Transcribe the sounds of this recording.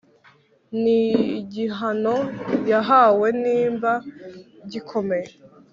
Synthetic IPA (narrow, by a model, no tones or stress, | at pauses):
niɟiɦano̞jaɦawe̞niːmbaɟikʰo̞me̞je